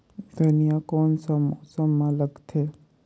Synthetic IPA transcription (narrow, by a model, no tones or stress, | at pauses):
d̪ʱunijakɔːnsəmsəmːãləɡt̪ʰe